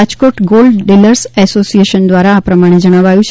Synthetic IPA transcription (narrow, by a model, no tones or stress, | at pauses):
ad͡ʒkoʈɡolɖɖiləɾsɛsosijeʃənd̪ʋaɾaːpɾəmaɽ̃ed͡ʒəɽ̃ãʋajũt͡ʃʰ